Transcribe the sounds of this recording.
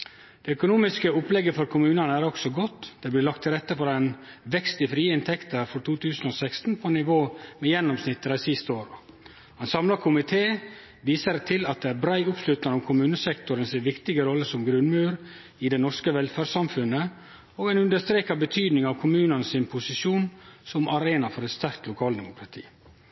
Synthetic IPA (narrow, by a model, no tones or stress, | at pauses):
d̪̥eœkʊnuːmɪskəʊplɛɡːəfɔɾkʰʊmʉːnɑnəæɾɔksɔɡɔt̪ːd̪̥ɛblɪlɑkt̪ʰːɪlɾɛt̪ːəfɔɾæɪnʋɛkst̪ɪfɾiːəɪnt̪ʰɛkt̪ʰəɾfɾɔt̪ʰuːt̪ʰʉːsn̩oːsæɪkst̪n̩pʰɔnɪʋoːmɛjɛnːɔmsnɪt̪ːəɾɑsɪst̪əoːɾ | hɑnsɑmlɑkʰʊmɪt̪ʰeː | ʋiːsəɾt̪ʰɪlɑt̪̚d̪ɛæɾbɾæɪʊpslʉt̪nɑɾɔmkʰʊmʉːnəsɛkt̪ʊɾənsɪʋɪkt̪ɪɡəɾɔlːəsɔmɡɾʉnmʉːɾ | ɪd̪ɛnɔʂkəʋɛlfæːɑmfʉnːə | oːɡænʉnd̪əʂt̪ɾeːkɑbət̪ʰyːd̪nɪŋɑʋkʰʊmʉːnənəsɪnpʰʊsɪʃuːnsɔmɑɾeːnɑfɔɾɛt̪st̪æɾk̚t̪lʊkʰɑːld̪ɛmʊkʰɾɑt̪ʰḭː